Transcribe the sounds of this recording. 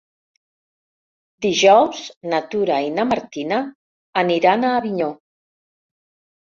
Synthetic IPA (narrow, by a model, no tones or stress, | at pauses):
d̪iʒɔwznat̪uɾainəmaɾt̪inaː | niɾanaːβiɲo